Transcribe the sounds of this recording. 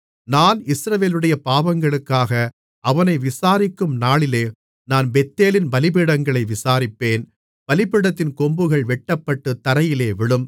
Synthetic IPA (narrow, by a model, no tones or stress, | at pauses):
naːnɪsɾɐʋeːlɯɽɐjɐpaːʋɐŋɡɐɭɯkːaːɣɐ | ʔɐʋɐnɐɪʋɪsaːɾɪkːɯmnaːɭɪleː | naːnbɛt̪ːeːlɪnbɐlɪp̬ɪɽɐŋɡɐɭɐɪʋɪsaːɾɪpːeːn | b̥ɐlɪpɪɽɐt̪ːɪnkɔmbɯɣɐɭʋɛʈːɐpːɐʈːɯt̪ːɐɾɐjɪleːʋɪɭɯm